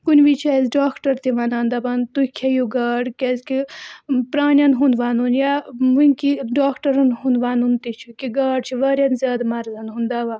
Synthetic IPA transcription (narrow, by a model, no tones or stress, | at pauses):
kunʲbit͡ʃʰɐzɖaːkʰʈɐɾt̪iʋɐnaːnd̪abant̪ukʰejuɡɐːɽkʲɐskipɾaːnʲɐnɦund̪ʋaːnunjaʋuŋkiɖaːkʰʈɐɾɐnɦũnd̪ʋaːnunt̪it͡ʃʰukiɡaːɖt͡ʃʰiʋɐɾjɐnzʲaːd̪mɐɾzɐnɦund̪aːʋan